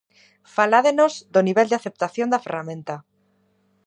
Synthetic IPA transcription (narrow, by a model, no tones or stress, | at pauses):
falaðenozðoniβeld̪eaθe̞p̚t̪aθjo̞nd̪aferamẽnt̪a